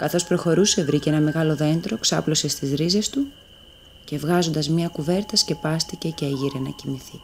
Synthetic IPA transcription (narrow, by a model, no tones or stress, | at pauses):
kɐθo̞spɾo̞xo̞ɾuse̞vɾiceenɐme̞ɣɐlo̞ðe̞nt̪ɾo̞ksɐplo̞se̞st̪izɾize̞st̪u | ce̞vɣɐzo̞nd̪ɐzmɲɐkuve̞ɾt̪ɐsce̞pɐst̪ice̞ceeʝiɾenɐ̰cimiθi